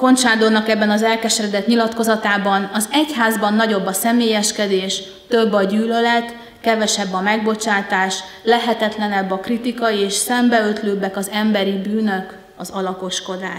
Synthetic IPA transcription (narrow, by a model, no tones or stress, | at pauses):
ko̞nt͡ʃaːd̪oːnɒkɛbːɛnɒzɛlkɛʃɛɾɛd̪ɛt̪ɲilɒt̪ko̞zɒt̪aːbɒnɒzɛchaːzbɒnːɒɟo̞bːɒsɛmeːjɛʃkɛd̪eːʃ | t̪ø̞bːɒɟyːlølɛt̪ | kɛvɛʃɛbːɒmɛɡbo̞t͡ʃaːt̪aːʃlɛɦɛt̪ɛt̪lɛnɛbːɒkrit̪ikɒjieːʃsɛmbɛøt̪løːbːɛkɒzɛmbɛɾibyːnøk | ɒzɒlɒko̞ʃko̞d̪aːʃ